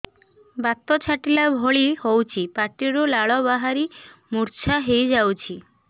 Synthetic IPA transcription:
bat̪ɔt͡ʃʰaʈilabʱoɭihowt͡ʃʰipaʈ̪iɾulaɭɔbaɦaɾimuɾt͡ʃʰaɦejd͡ʒawt͡ʃʰi

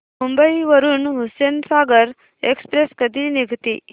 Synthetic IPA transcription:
mumbəiʋəɾuːnɦusensaːɡəɾ | ekspɾeskəd̪ʱiniɡʱt̪ḭ

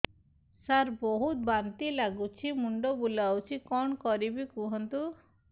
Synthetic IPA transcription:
saɾbɔɦut̪̚bant̪ilaɡut͡ʃʰimuɳɖɔbulawt͡ʃʰikɔɳkɔɾibikuɦɔnt̪u

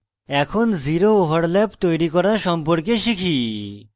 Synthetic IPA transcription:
ɛkʰonziɾooɦaɾlɛpt̪ojɾikɔɾaʃɔmpoɾkeʃikʰi

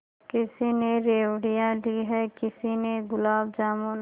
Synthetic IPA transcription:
kɪsineɾeːwɽijãliɦɛkɪsineɡʊlaːb̚d͡ʒaːmon

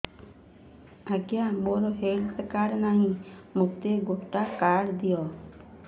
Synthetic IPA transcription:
əɡjamoːɾoɦeːlsəkaːɾnaːɦĩmʊkt̪eːɡoʈaːkaːɽd̪ɪjɔː

